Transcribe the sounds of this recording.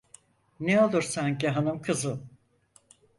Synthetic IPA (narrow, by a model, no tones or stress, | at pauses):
neo̞lˠuɾsaɲciɦanɯmkʰɯzɯ